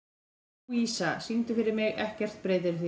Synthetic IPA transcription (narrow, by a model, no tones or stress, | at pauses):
iːsasint̪ʏfɪɾɪɾmɪɣɛhcɛr̥t̪̚pɾeːjt̪ɪɾθi